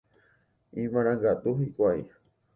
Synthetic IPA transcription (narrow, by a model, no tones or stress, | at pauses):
ĩmãɾ̃ãŋɡat̪uhikʷaj̰